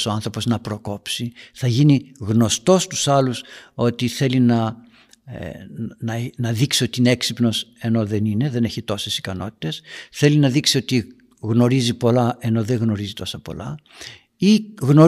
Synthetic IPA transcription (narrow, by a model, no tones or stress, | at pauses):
so̞ɐnθɾopo̞znɐpɾo̞ko̞psiθɐʝiniɣno̞st̪o̞st̪u̥sɐluso̞t̪iθe̞linɐ | nɐnɐðiksio̞t̪iineeksipno̞se̞no̞ðe̞nine̞ðe̞ne̞çit̪o̞se̞si̥kɐno̞t̪i̥t̪e̞sθe̞linɐðiksio̞t̪i | ɣno̞ɾizipo̞lɐe̞no̞ðe̞ɣno̞ɾizit̪o̞sɐpo̞̰lɐ | iɣno̞